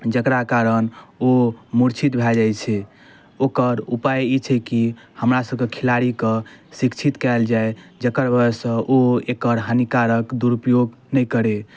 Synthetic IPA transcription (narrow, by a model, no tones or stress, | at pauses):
d͡ʒəkɾakaɾənomuɾt͡ʃʰit̪bʱɛd͡ʒajt͡ʃʰɛ | okəɾupajit͡ʃʰɛki | həmɾasəb̚kekʰilaɾikẽsikt͡ʃʰit̪kald͡ʒaed͡ʒəkəɾbəsə̃ʔoekəɾɦənikaɾəkd̪uɾupjoɡ | nəjkəɾe